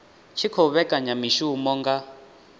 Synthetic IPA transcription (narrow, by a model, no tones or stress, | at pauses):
t͡ʃʰikʰɔβɛkʼaɲamiʃumɔŋɡa